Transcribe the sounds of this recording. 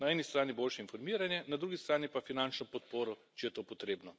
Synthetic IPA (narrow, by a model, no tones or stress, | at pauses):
naɛːnist̪ɾaːniboːlʃɛinfɔɾmiːɾanjɛnad̪ɾuːɡist̪ɾaːnipafinant͡ʃnɔpɔt̪̚poːɾɔt͡ʃijɛt̪oːpɔt̪ɾeːbnɔ